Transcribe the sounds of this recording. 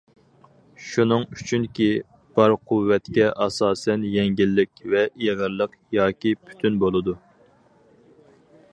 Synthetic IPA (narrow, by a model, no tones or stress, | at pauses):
ʃunɨŋyt͡ʃʰynkʲi | b̥ɑɾqʰuwːɛt̪kʲɛʔɑsɑːsɛnjɛŋɡʲilːɪkʲvɛʔjʁəɾlˠəq | jɑːkʲipʰy̥t̪ʰynbolˠɨd̪u